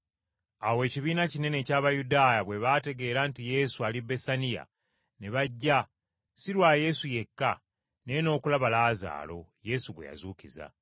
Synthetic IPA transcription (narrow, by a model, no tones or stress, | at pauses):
awe̞ːciβiːnacine̞ne̞caːβajudaːjaβwe̞βaːte̞ɡe̞ːɾantije̞ːsualibe̞sanija̰ | neβaɟːa | siɾwaːje̞suje̞kːa | ne̞ːno̞ːkulaβalaːza̰ːlo̞je̞suɡwe̞̰ja̰zuːciza̰